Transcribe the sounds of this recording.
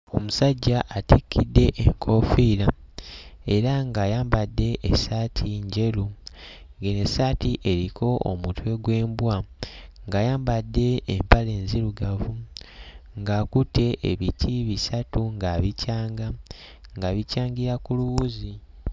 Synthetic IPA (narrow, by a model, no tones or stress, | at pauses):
o̞̰musaɟːaʔːtikːidːe̞ʔeŋkʰo̞fiːɾa | e̞ɾaŋɡaːjaːmbadːe̞ʔːsaːtʰiɲɟe̞lu | ɡenesatiʔe̞ɾikʰo̞ʔo̰mutʰwe̞ɡwe̞ːmbwaŋɡajaːmbadːe̞ːmpale̞ːnziluɡavu | ŋɡakute̞ʔeβitʰiβisatuŋɡaβicaːŋɡa | ŋɡaβicaːŋɡiɾakuluβuzi